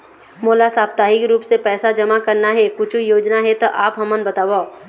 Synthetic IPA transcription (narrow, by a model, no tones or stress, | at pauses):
moːlasaːp̚t̪aːɦikeɾuːpsepɛːsad͡ʒɐmakɐɾnaɦɛkʊt͡ʃʰujoːd͡ʒnaɦɛt̪oʔaːpɦɐmənbɐt̪aːʋa